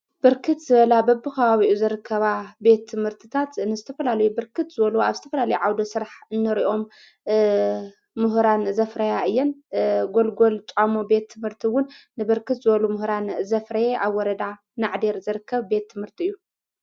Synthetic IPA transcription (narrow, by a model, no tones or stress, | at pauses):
b̥ɨɾkʰɨt̪zɨβɐlabɐbɨkʰɐβaβiʔuzɨɾɨkʰːɐβabe̞t̪ʰːɨmhɨɾt̪ʰɨt̪ʰat̪ɨnːɨzɨt̪ʰɐfɐlalɐjubɨɾkʰɨt̪zɨβɐluaβzɨt̪ʰɐfɐlalɐjuʕawd̪osɨɾaħɨnːɨɾiʔo̞m | mɨɦɾanzɐfɾɐjaɨjːɛnɡo̞lɡo̞lt͡ʃʼamobe̞t̪ʰːɨmhɨɾt̪ʰiwʊnː | ɨbɨɾkʰɨt̪zɨβɐlumɨhɾanzɐfɾɐjeʔaβwɔɾɐd̪a | naʕd̪e̞ɾzɨɾɨkʰːɐβbe̞t̪ʰːɨmhɨɾt̪ʰiɨjːu